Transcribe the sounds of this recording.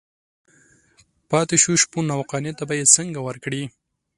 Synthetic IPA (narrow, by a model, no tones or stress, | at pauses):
pɑt̪ɪʃuʃpunawqɑnet̪abajet͡səŋɡawəɾkɽi